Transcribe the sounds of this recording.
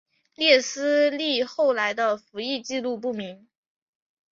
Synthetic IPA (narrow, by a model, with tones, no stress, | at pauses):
ljɛ˥˩sɹ̩˥li˥˧xo˥˩ʊla˧˥ɪd̪ə˧fu˧˥i˥˧t͡ɕi˥˧lu˥˧p̬u˥˩mi˧˥ŋ